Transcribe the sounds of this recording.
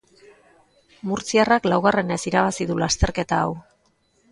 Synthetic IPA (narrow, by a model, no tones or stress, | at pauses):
muɾt͡siaraklawɣ̞are̞ne̞siɾaβ̞asiðulast̪e̞ɾke̞t̪aːw